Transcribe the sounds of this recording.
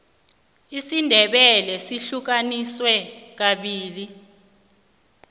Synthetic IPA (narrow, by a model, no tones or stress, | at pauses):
isindʱɛɓɛlɛsiɬuk̬aniswɛk̬aɓiːli